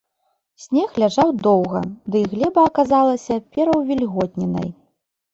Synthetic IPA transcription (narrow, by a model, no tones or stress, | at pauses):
sʲnʲɛxlʲaʐawd̪ɔwɣɐ̰d̪ɨɣlʲɛbɐːkazalˠɐsʲɐpʲɛɾɐwvʲilʲɣɔt̪̚ʲnʲɛnɐ̰j